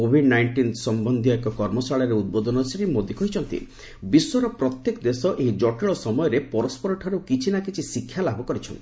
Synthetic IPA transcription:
kobʱiɖnajɳʈinsɔmbɔnd̪ʱijɔekɔkɔɾmɔsaɭjɔɾeud̪̚bod̪ʱɔnɔsiɾimod̪ʱikɔɦit͡ʃʰɔnt̪ḭ | biswɔɾɔpɾɔt̪jekɔd̪esɔʔeɦid͡ʒɔʈiɭɔsɔmɔjɔɾepɔɾɔspɔɾɔʈʰaɾukit͡ʃʰinakit͡ʃʰisikʰːjalabʱɔkɔɾit͡ʃʰɔ̰n

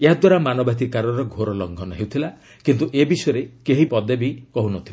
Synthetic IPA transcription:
eɦad̪waɾamanɔbat̪̬ikaɾɔɾɔɡʱoɾɔlɔŋɡʱɔnɔɦewt̪ʰila | kint̪uʔebisɔjɔɾekeɦipɔd̪ebikɔɦunɔt̪ʰila

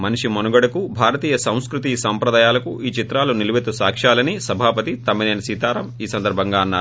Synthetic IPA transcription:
mɐniʂimonuɡɐɽɐkubʱaːɾɐt̪iːjɐsɐ̃w̃skɾut̪iːsɐmpɾɐd̪aːjaːlɐkuʔiːt͡ʃit̪ɾaːluniluʋet̪ːusaːkʂaːlɐnisɐbʱaːpɐt̪it̪ɐmːineːnɐsiːt̪aːɾɐmiːsɐnd̪ɐɾbʱɐŋɡaːɐnːaː

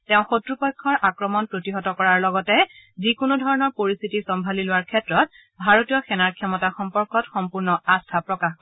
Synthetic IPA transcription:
tɛʊ̃xotɹupɔjkʰːɔɹʔakɹɔmɔnpɹotiɦɔtɔkɔɹaɹlɔɡɔtɛzikunudʱɔɹɔnɔɹpoɹist̪ʰitisɔmbʱalilʊwaɹkʰɛtɹɔt̚ | bʱaɹotijɔxɛnaɹkʰjɔmɔtaxɔmpɔɹkɔtxɔmpuɹnɔastʰapɹɔkax

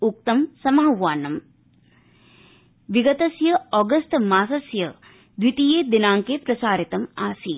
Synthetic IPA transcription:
uk̚t̪ɐmsɐmaːʋaːnɐm | ʋiɡɐt̪ɐsjɐɔɡɐst̪maːsɐsjɐ | d̪ʋit̪ijeːd̪inaːŋkepɾɐsaːɾit̪ɐmaːsi

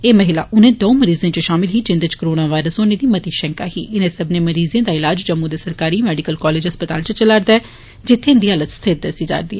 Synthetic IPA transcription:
eːməɦɪla̰ːʔʊnẽːd̪oũməɾiːzẽːt͡ʃəʃaːmɪlɦiːd͡ʒɪ̃nd̪əd͡ʒkəɾoːnaːʋaːɪɾəsoːneːd̪iːmət̪iːʃɛ̃ŋka̰ːɦḭːɪnẽːsəbneːməɾiːzẽːd̪aːɪlaːd͡ʒd͡ʒəmːũːd̪eːsəɾkaːɾiːmɛːɖɪkəlkɔːleːd͡ʒɦəspət̪aːlt͡ʃət͡ʃəlaːɾd̪aːɛː | d͡ʒɪt̪ʰːeːɪnd̪iːɦələt̪st̪ʰɪt̪̚d̪əsiːd͡ʒa̰ːɾd̪iːɛ

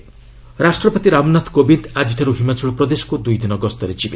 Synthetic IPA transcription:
ɾasʈɾɔpɔt̪iɾamnat̪ʰkobind̪ad͡ʒiʈʰaɾuɦimat͡ʃɔɭɔpɾɔd̪esɔ̥kud̪ujd̪inɔɡɔst̪ɔɾed͡ʒibe

